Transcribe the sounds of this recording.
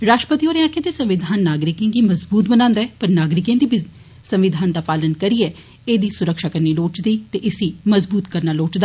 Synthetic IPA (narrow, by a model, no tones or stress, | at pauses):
ɾaːʃʈəpət̪ioːɾẽãːkʰeːd͡ʒeːsə̃mʋɪd̪ʱaːnːaːɡɾɪkẽːɡiːməzbuːt̪bənãːnd̪aɛːpəɾnaːɡɾɪkẽːd̪iːb | sə̃mʋɪd̪ʱaːnd̪aːpaːlənkəɾiːɛː | eːd̪iːsʊɾəkʃaːkəɾniːloːt͡ʃd̪iːt̪eːʔɪsiːməzbuːt̪kəɾnaːloːt͡ʃd̪aː